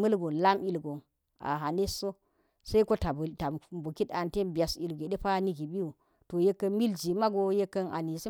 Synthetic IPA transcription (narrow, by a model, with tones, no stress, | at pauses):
mɐ˦lɡo˨nla˦mi˦lɡo˨n | a̰˨ɦa˨ne˦so˦ | sa˦i˦ko˦ta˨ta˨bo˨ki˦ta˨nte˦nbi˨ja˨si˨lɡʷe˨ɗe˦pa˦ni˦ɡi˨ɓi˦wo˨ | to˨je˦kːɐ˦nmi˦ld͡ʒi˨ma˦ɡo˦je˦kːɐ˦na̰˨ni˨si˦